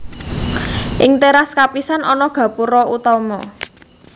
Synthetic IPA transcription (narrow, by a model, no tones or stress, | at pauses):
ʔɪŋt̪eɾaskapisanʔɔnɔɡ̥a̤puɾɔʔut̪ɔmɔ̰